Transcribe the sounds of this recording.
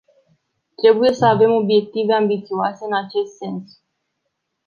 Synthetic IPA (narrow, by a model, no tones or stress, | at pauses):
t̪ɾe̞buje̞səave̞mo̞bje̞k̚t̪ive̞ambit̪sioase̞ɨnat͡ʃe̞st̪se̞ns